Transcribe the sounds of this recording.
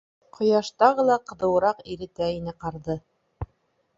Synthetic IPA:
qʰŏjɑʃt̪ɑʁɤlˠɑqɤ̆ðɤ̆wɤ̆ɾɑqiɾɘ̆t̪æinɘqɑɾðɤ

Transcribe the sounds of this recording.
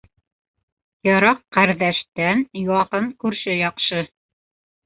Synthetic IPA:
jɑɾɑqːæɾðæʃt̪ænjɑqɤɴkʉɾʃɘjɑqʃɤ

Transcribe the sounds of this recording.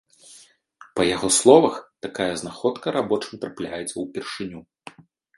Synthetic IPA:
pɐjaɣɔslˠɔvɐxt̪akajɐznaxɔt̪kɐɾabɔt͡ʂɨmt̪ɾaplʲajɛt̪sːɐwpʲɛrʂɨnʲu

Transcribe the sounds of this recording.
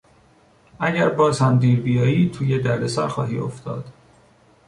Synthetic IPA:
ʔæɟæɾbɒːzhæmd̪iːɾbijɒːjiːt̪ʰuːjed̪æɾd̪esæ̰ɾxɒ̰ːɦḭːo̰ft̪ɒ̰ːd̪̥

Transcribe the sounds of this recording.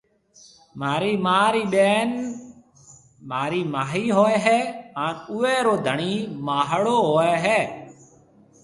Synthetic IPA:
maːɾiːmaːɾiːɓeːn | maːɾiːmaːɦiːɦoːeːɦɛːaːnʊːeːɾoːd̪ʱəɳiːmaːɦɽoːɦoːeːɦɛː

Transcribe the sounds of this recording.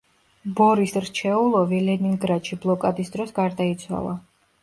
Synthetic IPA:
bɔɾisɾt͡ʃʰɛulˠɔvilɛniŋɡɾad̪ʃiblˠɔkʼad̪isd̪ɾɔsɡaɾd̪ait̪sʰwa̰lˠa

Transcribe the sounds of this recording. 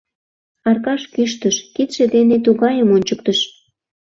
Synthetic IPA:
ɑrkɑʃkyʃt̪əʃkit̪ʃed̪enet̪uɣɑjəmonʲt͡ɕək̚t̪əʃ

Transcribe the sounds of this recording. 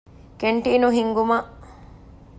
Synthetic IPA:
keɳʈiːnuɦiŋɡumɐʔ

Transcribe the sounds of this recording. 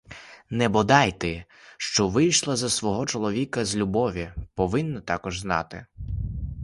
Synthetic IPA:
nɛbɔd̪ɑjt̪ɪ | ʃt͡ʃɔʋɪjʃlˠɐzɐsʋɔɦɔt͡ʃɔlˠɔʋʲikɐzʲlʲubɔʋʲipɔʋɪnːɐt̪ɑkɔʒznɑ̰t̪ɪ̰

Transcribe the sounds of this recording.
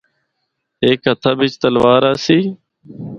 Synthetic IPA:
eːkɦət̪ʰaːbɪt͡ʃt̪əlʋaːɾaːsiː

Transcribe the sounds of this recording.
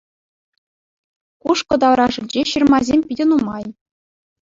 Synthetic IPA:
kuʂkɤ̆d̪ɑʋɾɑʐɯ̆nʲd͡ʑeɕɯrmɑzʲemʲpʲidʲɘ̆numɑj

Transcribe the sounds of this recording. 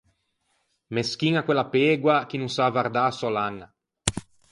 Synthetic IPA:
meskiŋakwelːapeːɡwakinuŋsaːvaɾd̪aːsɔlaŋa

